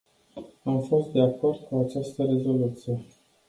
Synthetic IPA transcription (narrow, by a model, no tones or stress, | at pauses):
amfo̞st̪̚d̪e̞ako̞rd̪̥̚kuat͡ʃast̪əɾe̞zo̞lut̪sije